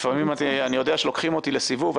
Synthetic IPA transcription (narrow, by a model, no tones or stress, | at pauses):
famimat̪ianijod̪eaʃelo̞kχimo̞t̪ile̞sivuva